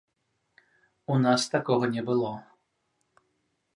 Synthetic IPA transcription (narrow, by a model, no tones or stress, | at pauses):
unast̪akɔɣɐnʲɛbɨlˠɔ